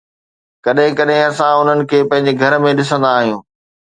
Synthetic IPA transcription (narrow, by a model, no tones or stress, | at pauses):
kɐɗɦɪ̃kɐɗɦɪ̃ɐsãʊn̤ənɪ̆kʰeːpɐ̃ɦɪ̃ɲ̆d͡ʑeɡʱɐɾmẽɗɪsə̃nd̪aːɦijũː